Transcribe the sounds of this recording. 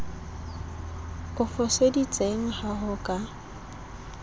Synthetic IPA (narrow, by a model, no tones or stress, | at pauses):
ʊfɔsedit͡sʼeŋ̩haɦʊkʼa